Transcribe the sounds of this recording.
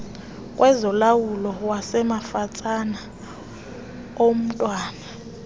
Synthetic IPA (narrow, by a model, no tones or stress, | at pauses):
kʼwʔɛzɔlawulɔwasɛmafat͡sʼana | om̩tʼwaːna